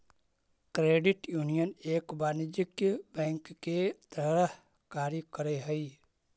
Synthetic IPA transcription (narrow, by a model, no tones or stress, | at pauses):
kɾeːɖɪʈjuːnijəneːkbaːnɪd͡ʒɪkjbɛ̃ːŋkːet̪ɾəɦ | kaːɾikəɾeɦɛi